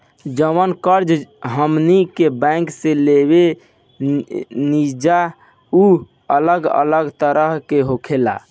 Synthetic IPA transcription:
d͡ʒəʋənkəɾd͡ʒɦəmnikebɛ̃ŋkselebe | nid͡ʒa | u | ələɡə̰ləɡt̪əɾəɦkeɦokʰela̰

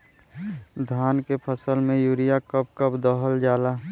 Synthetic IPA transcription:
d̪ʱaːnkepʰəsəlmẽjuːɾijakəp̚kəpd̪ɔɦəld͡ʒaːlaː

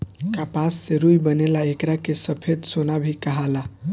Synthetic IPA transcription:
kapasːeɾujbənelaekɾakesəpʰed̪sonabʱikəɦala

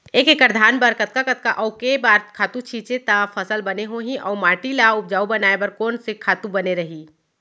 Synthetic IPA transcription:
eːkekəɾd̪ʱaːnbəɾkət̪̚kakət̪kaʔɔːkebaːɾt̪kʰaːt̪ũt͡ʃʰiːt͡ʃet̪afʰəsəlbɐneɦoɦĩʔɔːmaːʈilaʊp̚d͡ʒaːubɐnaːebəɾkɔːnsekʰaːt̪ũbɐneɾɐɦiː

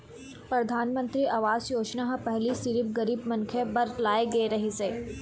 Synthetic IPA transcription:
pɾɐd̪ʱaːnmə̃nt̪ɾiʔaːʋaːzjoːt͡ʃnaɦpɛɦlisɪɾɪb̚ɡɐɾiːbmɐ̃nkʰebɐɾlaːeɡɐeɾɐɦeseː

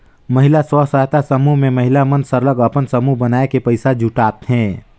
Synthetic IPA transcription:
məɦɪlaswəsaɦt̪asəmuɦmẽməɦɪlamənsəɾləɡəpənsəmuɦbənaːekepəɪsad͡ʒʱuʈaːt̪ɦɛ̃ː

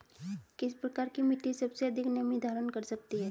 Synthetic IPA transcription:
kɪspɾəkaɾkimɪt̪isəbseəd̪ʱɪknəmid̪ʱaɾənkəɾsək̚t̪iɦɛː

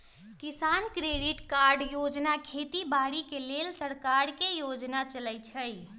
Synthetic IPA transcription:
kisankɾeɖiʈkaɾɖjod͡ʒnakʰet̪ibaɽikelelsəɾkaɾkejod͡ʒnat͡ʃələjt͡ʃʰəj

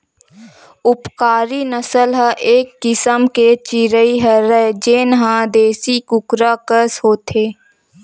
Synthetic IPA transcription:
ʊpkaːɾinəsəlɦəʔeːkːɪsəmket͡ʃɪɾəiɦəɾəd͡ʒeːnɦãd̪eːsikʊkɾakəshoːt̪ʰeː

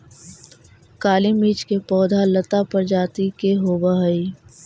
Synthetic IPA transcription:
kaːlimiːt͡ʃkepɔːd̪ʱalɐt̪apɐɾd͡ʒaːt̪ikeɦoːbaɦɐi

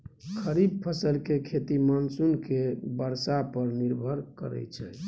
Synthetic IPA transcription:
kʰəɾib̚pʰəsəlkekʰet̪imənsunkebəɾsapəɾniɾbʱəɾkə̰ɾɛ̰t͡ʃʰɛ

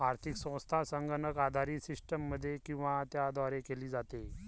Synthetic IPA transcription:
aɾt̪ʰiksə̃w̃st̪ʰasəŋɡənəkad̪ʱaɾiːsisʈəmːəd̪ʱːjekĩw̃ʋat̪jad̪ɔɾekeliːd͡zat̪e

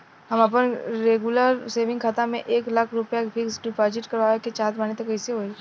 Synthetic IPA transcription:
ɦɐməp̬ənɾeːɡuləɾseːʋɪ̃ŋɡkʰaːt̪amḛ̃ʔeːklakʰɾʊpjapʰɪksɖɪpɔːd͡ʒɪʈkɐɾʋaːʋeket͡ʃaːt̪baːnet̪ɐkːɛɪseɦoːe

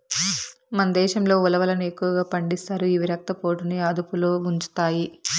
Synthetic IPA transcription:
mɐnɐd̪ɛːʃɐmlo̞ːulɐʋɐlɐnue̞kːuʋɐɡaːpɐɳɖist̪aːɾuiʋiɾɐk̚t̪ɐpo̞ːʈuniaːd̪upuloːuɲt͡ʃu̥t̪aːji

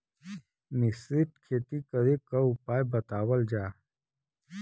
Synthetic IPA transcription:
mɪsɾiʈkʰeːt̪ikəɾekaʊpaːjbət̪aːwəld͡ʒaː

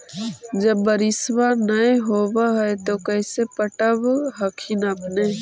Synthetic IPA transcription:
d͡ʒəbːəɾɪswanəeɦoːbaɦɛet̪okəːsepəʈəbɦəkʰɪnəpne

